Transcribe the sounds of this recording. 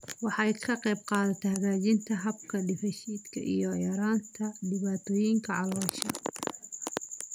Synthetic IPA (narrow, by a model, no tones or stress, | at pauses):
wɑħɑːɪkʰɐqɛːb̚qɑːðɐt̪ʰɐhɐɣaːd͡ʒɪnt̪ʰɐɦɐbkʰɐdɪfɐʃiːd̪kʰɐ̰ʔḭjɔjɐɾaːnt̪ʰɐdɪβaːt̪ʰɔːjɪŋkʰɐʕɑlɔːʃɐ